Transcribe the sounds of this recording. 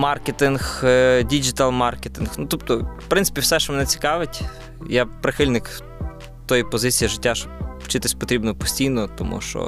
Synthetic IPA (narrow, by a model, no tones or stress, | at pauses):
mɑrket̪ɪnxdʲid͡ʒɪt̪ɐlˠmɑrket̪ɪnxnut̪ɔpt̪ɔpɾɪnsɪ̥pʲiwsɛʃt͡ʃɔmɛnɛt͡sʲi̥kɑʋɪtʲ | japɾɪxɪlʲnɪk | t̪ɔjipɔzɪt͡sʲijiʒɪtʲːaʃt͡ʃɔpwt͡ʃɪt̪ɪsʲpɔt̪ɾʲibnɔpɔ̥sʲtʲijnɔt̪ɔmṵʃt͡ʃɔ̰